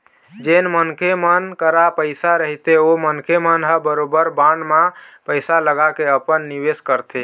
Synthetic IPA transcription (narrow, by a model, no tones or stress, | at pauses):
d͡ʒenmənkemənkəɾapəɪsaɾəɦit̪eomənkemənɦəbəɾobəɾbanmãpəɪsaləɡakeəpənːiʋeskəɾt̪ʰi